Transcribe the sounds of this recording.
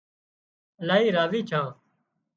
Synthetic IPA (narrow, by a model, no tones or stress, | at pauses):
əlaːɦiːɾaːziːt͡ʃʰãː